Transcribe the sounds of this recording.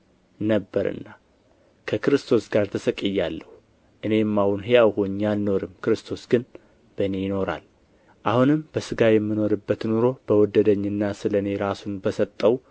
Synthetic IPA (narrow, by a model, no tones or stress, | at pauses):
nəbːəɾɨ̰nːa | kʰəkɨɾɨst̪ʰo̞sɡaɾt̪ʰəsəkʼɨjːalːəhu | ʔɨne̞mːawunɦejawhuɲːalno̞ɾɨmːkɨɾɨst̪ʰo̞sɡɨn | b̥əne̞jɪno̞ɾa̰l | ʔahunɨmb̥əsɨɡajɛmːɨno̞ɾɨbːət̪nuɾo̞b̥əwɔd̪əd̪əɲːɨnːasɨləne̞ɾasunbəsət̪ʼːəw